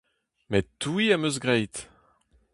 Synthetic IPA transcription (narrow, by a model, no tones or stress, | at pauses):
mɛt̪ːuiamøzɡʁɛjt̪